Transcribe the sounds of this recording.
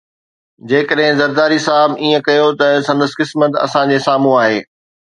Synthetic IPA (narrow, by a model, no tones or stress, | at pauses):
d͡ʑeːkəɗɦɪ̃zɐɾd̪aːɾisaːɦɪbiːə̃kɐjot̪ɐsɐ̃nd̪əskɪsmət̪ɐ̰sãd͡ʑesaːm̤ũaːɦḛː